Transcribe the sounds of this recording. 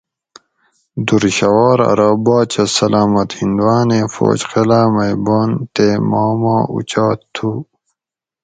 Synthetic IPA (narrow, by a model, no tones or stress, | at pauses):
d̪uɾɕɐwaːɾɐ̰ɾaːbaːt͡ɕɐsɐlaːmɐt̪hind̪uwaːneːfo̰ːt͡ɕqelaːmɐjbaːnt̪emaːmaːṵt͡ɕaːt̪ʰːu